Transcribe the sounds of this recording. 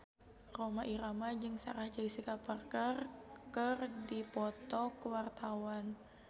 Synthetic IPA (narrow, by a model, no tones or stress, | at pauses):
romaʔiɾamad͡ʒɨŋsa̰ɾahd͡ʒaisikaparkərkərdipɔt̪ɔkəwart̪awan